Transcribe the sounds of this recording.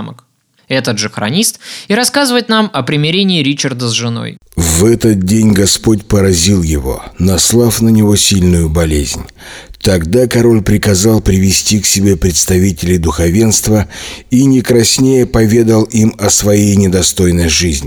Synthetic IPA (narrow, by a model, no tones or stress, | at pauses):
mə̰k | ɛt̪əd̪ʐɨxɾɐ̰nʲist̪iɾɐskazɨvəjɪt̪namɐpɾʲɪmʲɪɾʲenʲɪːɾʲit͡ɕərd̪əzʐɨno̞̰j | vɛt̪ət̪̚dʲenʲɡɐspo̞tʲpəɾɐzʲilˠjɪvo̞̰nɐslˠafnənʲɪvo̞sʲilʲnʊjʊbɐlʲezʲnʲ | t̪ɐɡd̪akɐɾo̞lʲpɾʲɪkɐzalˠpɾʲɪvʲɪsʲtʲiksʲɪbʲe̞pɾʲɪt̪st̪ɐvʲitʲɪlʲɪjd̪ʊxɐvʲe̞nst̪vəinʲɪkɾɐsʲnʲejəpɐvʲe̞d̪əlˠimɐsvɐjejnʲɪd̪ɐst̪o̞jnəjʐɨzʲnʲɪ